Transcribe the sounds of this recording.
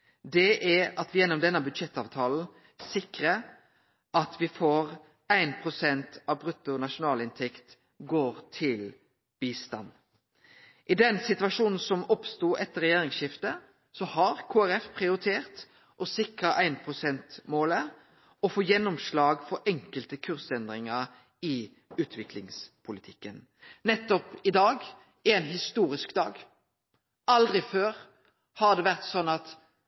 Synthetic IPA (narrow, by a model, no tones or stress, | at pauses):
d̪ɛʔɛɑt̪ʋɪjɛnːɔmd̪ɛnːəbʉd̪ʃɛt̪ːɑːʋt̪ʰɑːln̩ | sɪkɾə | ʔɑt̪ʋɪfoːɾ | æɪnpʰɾʊsɛnt̪ɑʋbʁʉt̪ːʊnɑʂʊnɑːlɪnt̪ʰɛkt̪ | ɡoːɾt̪ʰɪl | b̥iːst̪ɑ̰n | ʔɪd̪ɛnsɪt̪ʉʋɑʃuːnn̩sɔmɔpst̪uːʔɛt̪ːəɾɛjeːɾɪŋsɪft̪ə | sɔhɑɾkʰoːæɾɛfpʰʁɪʊɾɪt̪ʰeːʁt̪ | ʔɔsɪkʁəʔæɪnpʰʁʊsɛnt̪moːlə | ɔfoːjɛnːɔmʃlɑːɡfɔɾʔɛŋkəlt̪əkʰʉʁsɛnd̪ʁɪŋəʁ | ɪ | ʉːt̪ʰʋɪklɪŋspʰʊlɪt̪ʰɪkːən | nɛt̪ːɔpɪd̪ɑːɡ | ɪɛnɦɪst̪uːʁɪskd̪ɑːɡ | ʔɑld̪ʁɪføːʁ | hɑʁd̪ɛːʋæʁt̪sɔnːɑt̪